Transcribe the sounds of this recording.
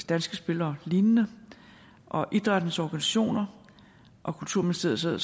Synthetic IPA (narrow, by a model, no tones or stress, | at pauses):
d̥ænsɡ̥əsb̥e̝lɐːliːnnə | ʔɒ̽ʔid̥ʁɑd̥nəsɒɡ̥ænisæɕo̝̰ːnɐ | ʔɒ̽kʰult͡sʰuɐ̰menist͡sʰeðˠseð̰ˠ